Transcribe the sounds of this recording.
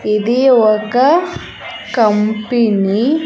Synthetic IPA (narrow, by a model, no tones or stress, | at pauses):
id̪iɔkɐ | kɐmpini